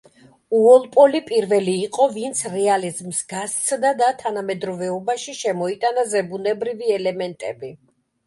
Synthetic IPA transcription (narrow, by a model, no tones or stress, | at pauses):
uɔlˠpʼɔlipʼiɾvɛliːqʼɔvint̪sʰɾɛalizmsɡast̪sʰd̪ad̪at̪ʰanamɛd̪ɾɔvɛɔbaʃiʃɛmɔit̪ʼanazɛbunɛbɾiviɛlɛmɛnt̪ʼɛ̰bi